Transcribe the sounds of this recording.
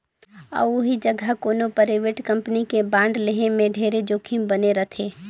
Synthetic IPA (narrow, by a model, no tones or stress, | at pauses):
ə̰ːʊɦid͡ʒəɡʱəkoːnopəɾeʋeːʈkɐ̃mpənikebãːɳɖleɦemẽɖʱeːɾed͡ʒoːkʰimbəneɾət̪ʰeː